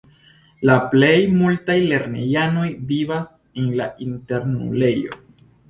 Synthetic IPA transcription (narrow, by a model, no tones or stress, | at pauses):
laple̞jmultajle̞ɾne̞jano̞jvivas | enla̰ʔinte̞ɾnṵle̞jo̞̰